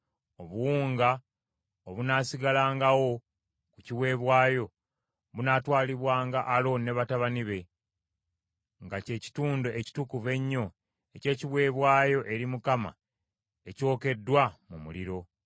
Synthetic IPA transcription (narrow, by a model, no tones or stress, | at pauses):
o̞βuwuːŋɡa | oβunaːsiɡalaːŋɡawo̞ | kuciwe̞ːβwaːjo̞ | βunaːtwaːliβwaːŋɡaʔːlo̞ne̞βataβaniβe̞ | ŋɡace̞ːci̥tuːndoʔeci̥tukuve̞ɲːo̞ | ece̞ːciβwe̞ːβwaːjo̞ʔe̞ɾimukama̰ | e̞co̞ːke̞dːwamumṵliɾo̞